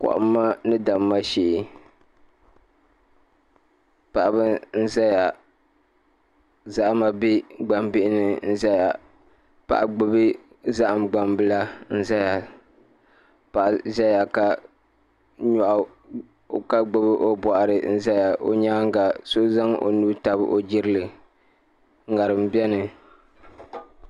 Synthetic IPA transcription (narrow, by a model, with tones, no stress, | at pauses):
kɔ̰˨ʔʊ̰˦mː˦a˦nɨ˦da˨mːa˦ʃe˨ɪ˨ | pa˨ʔa˨bɨ˦n̩˦za˦ja˨ | za˦ʔma˨bi˦ɡ͡ba˨mbɪ˦ʔɪ˦nɨ˨n̩˦za˦ja˨ | pa̰˨ʔa˨ɡ͡bɨ˦bɨ˦ | za˦ʔa˨mɡ͡ba˨mbɨ˦la˦n̩˦za˦ja˨ | pa˨ʔza˦ja˨ka˨ | ɲɔ˨ʔa˨ | ka˦ɡ͡bo˦bɨ˦ʔo˦bɔ˨ʔa˨ɾɨ˨n̩˦za˦ja˨ʔo̰˦ɲaː˦ŋ˦ka˨so˦za˦ŋʔo̰˨nuː˦ta˨bɨ̰˦ʔo˨d͡ʒɪ˦ɾɨ˦lɨ˨˦ | ŋa˨ɾɨ˨m˨bɛ˦nɨ˨